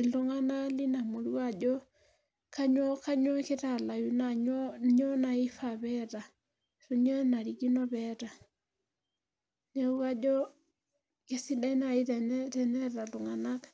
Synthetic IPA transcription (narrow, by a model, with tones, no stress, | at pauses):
i˨ndo˦ŋa˦na˦li˦na˨mu˨ɾu˦ad͡ʒɔ˦ | ka˦ɲwɔ˦ka˦ɲɔ˦ke˦ta˨la˨ju˦naɲɔɲɔ˦na˨i˦faβɛta˨ | so˦ɲɔ˦na˨ɾiɡi˦nɔ˦βɛta˨ | nɛu˦ka˦d͡ʒɔ˦ | ke˦si˦da˦i˦na˨i˦tɛtɛ˨nɛ˦ɾa˨o˨ŋana˦k